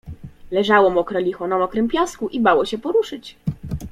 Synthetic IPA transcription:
lɛʐawɔmɔkɾɔlʲixɔnamɔkɾɛmpʲjɔskuʔibawɔɕɛpɔɾuʂɘt͡ɕ

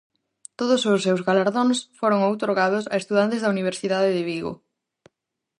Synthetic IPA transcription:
t̪oðʊsʊsːewzɣalaɾðonsfoɾʊŋowt̪oɾɣað̞ʊsɐest̪uðant̪ɪzðɐuniβ̞eɾsiðaðɪðɪβiɣo̰

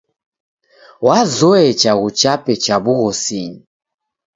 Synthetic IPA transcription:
wazɔɛt͡ʃaɣut͡ʃapɛt͡ʃaβuɣɔsiɲi

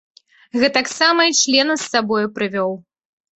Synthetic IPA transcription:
ɣɛt̪aksamɐit͡ʂlʲɛnɐsːabɔjupɾɨvʲɔw

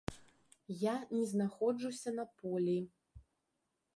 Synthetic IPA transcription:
janʲɛznaxɔd͡ʐusʲɐnɐpɔlʲi

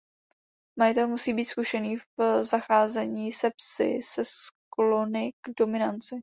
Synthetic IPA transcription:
majɪt̪ɛlmusiːbiːt̪skuʃɛniːfzaxaːzɛɲiːsɛpsɪ̰sɛsklonɪɡ̥do̞mɪnant͡sɪ

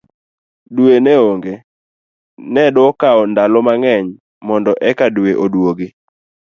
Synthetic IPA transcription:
duwenɛoŋɡe | nɛdɔkaɔndalɔmaŋɛɲ | mɔndɔʔɛkadweʔodwoɡe

